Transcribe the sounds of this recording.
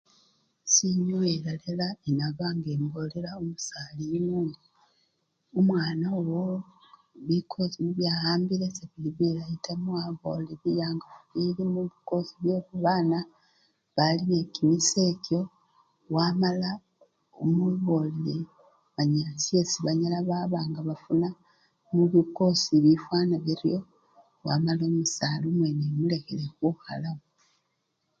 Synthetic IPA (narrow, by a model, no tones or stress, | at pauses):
siɲoeɾalelaenaβaŋɡe̞ːmbo̞le̞ɾaomusaːlinuːŋɡi | omwaːnaowo | βikʰo̞zimuβjaːhaːmbiɾeseβiliβiɾajitamwaβoliβijaːŋɡaβiɾimuβiko̞ziβjoːβuβaːna | βaline̞kimise̞kjo̞ | wamala | omuβo̞lile | βaɲasiesiβaɲalaβaβaːŋɡaβafuna | muβiko̞siβifwaːnaβiɾjo̞ | wamalo̞ːmusalumwenemule̞xelexuxalaβo